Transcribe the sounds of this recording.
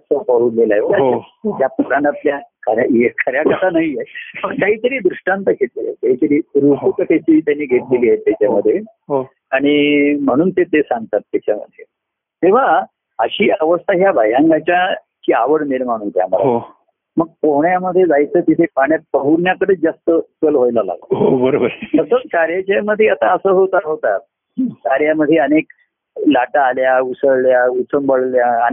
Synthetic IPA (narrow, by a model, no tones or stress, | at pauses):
səpəɾuːnlelaɦet̪jaəd͡ʑjapətɾãɳʈapljakʰəɾjaekʰəɾjakət̪ʰanaɦijeməɡkaɦiːt̪əɾiːd̪ɾuʂʈãnt̪əkʰet̪lejḛk̪aɦiːt̪əɾiːɾupukəʈʰet͡ɕiːt̪janːiːɡʱeʈ̪liliːajt̪ːjat͡ɕaməd̪ʱːje | ɦ | aɽ̃im̤əɽ̃uːnt̪et̪esãŋɡt̪at̪ːjat͡ɕamə̰d̪ʱːje | t̪eʋ̤a | əɕiːəʋəst̪ʰaɦjabʱajãŋɡat͡ɕja | kiaʋəɽmelmaɽ̃unt̪ja̰məlaɦo | məɡ̚poɦɳjaməd̪ʱːjed͡zajt͡səːt̪it̪ʰepaɳ̃jat̪̚pəɦuɾnjakəɽed͡zast̪ət͡səlɦojlala̰ɡəɦobəɾobəɾt̪əsət͡skaɾjat͡ɕaməd̪ʱjeət̪aəsəːɦot̪aɾɦot̪at̪̚ | kaɾjaməd̪ʱjeənek | laʈaːljausəɭljaut͡səmbəɭljaːni